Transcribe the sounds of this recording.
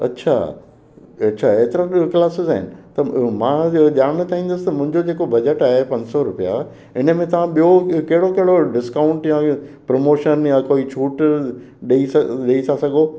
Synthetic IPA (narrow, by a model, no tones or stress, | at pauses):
ɐ̰tːɕʰa̰ | ɐtːɕʰaeːt̪ɪɾaklaːsɪzaːɦɪ̰nɪ̆t̪ɐmãːʄaːɽ̃t̪ʰaɦĩːn̆d̪əsɪ̥t̪ɐmʊ̃ɦɪ̃ɲd͡ʑod͡ʑeːkobɐd͡ʑəʈaːɦepɐ̃ɲd͡ʑsɔɾʊpija̰ | ɪnə̆mẽt̪ɐʋ̤ãɓijokɐɦɪɽokɐɦɪɽoɖɪskaːʊ̃ɳʈjãpɾomoːʃənjãkoːit͡ɕʰuːʈ | ɗeisɐɗeisʰasɐɡʱoː